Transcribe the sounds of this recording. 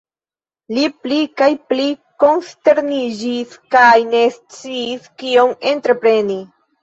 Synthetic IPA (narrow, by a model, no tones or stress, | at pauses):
liplikajpliko̞nste̞ɾnid͡ʒiskajne̞st͡siːskio̞me̞ntɾe̞pɾe̞ni